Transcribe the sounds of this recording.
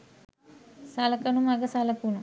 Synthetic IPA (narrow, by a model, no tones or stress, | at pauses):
salɐkɐnumaɡəsalɐkunu